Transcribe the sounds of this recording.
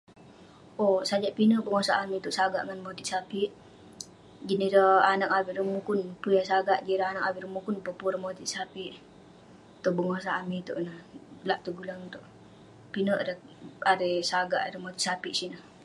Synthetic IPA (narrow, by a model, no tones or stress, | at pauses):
ʔosad͡ʒaʔpinəʔbəŋosaʔamit̪uʔsaɡa̰ʔŋanmot̪isapiʔ | ɡiniɾəanak̚awiʔɾəmukunpujasaɡaʔɡiɾəanakawiɾəmukunpəpuɾəmot̪iʔsapiʔ | t̪ubəŋos̬aʔamit̪ṵʔnəhlaʔt̪uɡulaŋut̪uʔ | pinəʔadəadəsaɡaʔadəmot̪iʔsapiʔsinəh